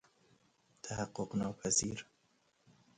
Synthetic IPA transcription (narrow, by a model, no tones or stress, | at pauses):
t̪ʰahaqːoqnɒːpʰæzḭːɾ